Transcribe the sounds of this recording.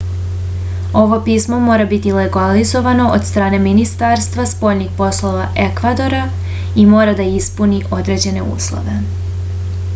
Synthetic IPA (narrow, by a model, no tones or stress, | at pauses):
o̞ʋo̞piːsmo̞mo̞ːɾabit̪ileɡalizo̞ʋano̞ʔod̪st̪ɾaːne̞minist̪aɾst̪ʋaspo̞jnixpo̞slˠo̞ʋaʔe̞kʋad̪o̞ɾa | imo̞ːɾad̪aispuniʔo̞d̪ɾe̞d͡ʑe̞ne̞ṵːslˠo̰ʋe̞